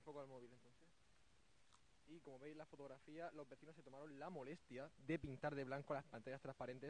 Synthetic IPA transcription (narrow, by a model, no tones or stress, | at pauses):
fo̞koalmoβile̞nt̪o̞n̟θes | iko̞mo̞βejzlafo̞t̪o̞ɣɾafialo̞zβe̞θino̞set̪o̞maɾo̞nlamo̞le̞st̪jaðe̞pint̪aɾðe̞βlaŋkoalaspant̪aʝast̪ɾaspaɾe̞nt̪e̞